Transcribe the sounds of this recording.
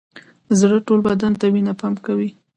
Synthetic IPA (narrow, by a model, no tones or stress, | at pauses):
zɽəʈolbad̪ant̪awinapamkawi